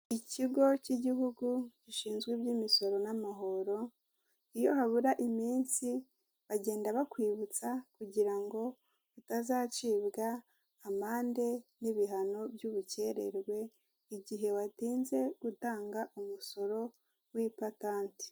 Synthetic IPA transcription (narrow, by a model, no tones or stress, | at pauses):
iciɡo̞ciɟiɦuɡuɟiʃiːnzɡwebɟimiso̞ɾo̞namaɦo̞ɾo̞ | ijo̞haβuɾaʔimiːnsi | βaɟe̞ːndaβakwiːβut͡sakuɟiɾaŋɡo̞ | βutazaːt͡ʃiːβɡaː | maːnde̞niβiɦano̞bjuβuce̞ɾe̞̰ɾɡwe̞ | iɟiɦe̞watiːnze̞ɡ̥utaːŋɡaʔumuso̞ɾo̞ | wipataːnti̥